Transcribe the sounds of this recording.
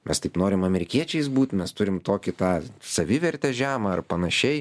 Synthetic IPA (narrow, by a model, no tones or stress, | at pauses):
mʲɛst̪ɐɪpnoːɾʲɪmɐmʲɛɾʲɪkʲiɛt͡ʃʲɛɪsbuːt̪ʲmʲɛst̪ʊɾʲɪmt̪oːkʲɪt̪ɑːsɐʋʲɪʋʲɛɾʲt̪ʲɛʒʲæːmɐɐrpɐnɐʃʲɛɪ